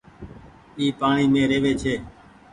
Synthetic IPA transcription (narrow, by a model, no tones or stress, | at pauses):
iːpaːɳiːmẽːɾeːʋeːt͡ʃʰeː